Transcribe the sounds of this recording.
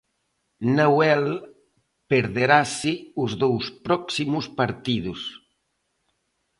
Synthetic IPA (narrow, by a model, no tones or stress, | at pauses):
nawɛl | peɾðeɾasɪʊzðowspɾɔksimʊspaɾt̪iðus